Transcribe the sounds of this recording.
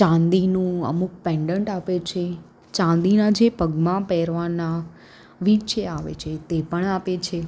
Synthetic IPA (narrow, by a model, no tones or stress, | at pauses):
t͡ʃãnd̪inũə̰muk̚pɛ̃ɳɖəɳʈapet͡ʃʰe | t͡ʃãnd̪inad͡ʒepəɡmãpɛɾʋana | ʋit͡ʃeaʋḛt͡ʃʰet̪epəɳapet͡ʃʰe